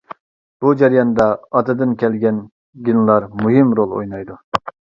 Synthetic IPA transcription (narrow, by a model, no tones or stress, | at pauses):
b̥ud͡ʒɛɾjɑnd̪ɑːt̪ɨd̪ɨnkʲɛlɡʲɛn | ɡʲinlˠɑɾmuɦɪmɾolˠo̰jnɑjd̪u